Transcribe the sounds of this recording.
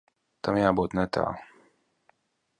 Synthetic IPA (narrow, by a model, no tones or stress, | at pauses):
t̪amjabɔt̪nɛt̪ʰa̰ː